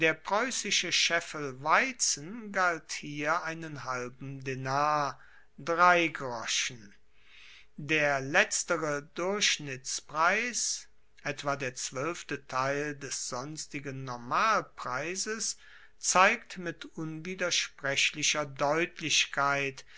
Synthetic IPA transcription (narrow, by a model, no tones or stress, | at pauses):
d̥eːɐpʁ̥ɔʏsɪʃəʃɛfəlvaɪt͡sn̩ɡalthiːɐʔaɪnənɦalbm̩denaːɐ | dʁaɪɡʁɔʃn̩ | deːɐlɛt͡stəʁədʊɐɕnɪt͡spʁ̥aɪs | ʔɛtv̥aːdeːɐt͡sv̥œlftətʰaɪldɛsz̥ɔnstɪɡənːɔɐmaːlpʁ̥aɪzəs | t͡saɪk̚tmɪtʔʊnviːdɐʃpʁ̥ɛɕlɪʃɐdɔʏtʰlɪɕkʰaɪt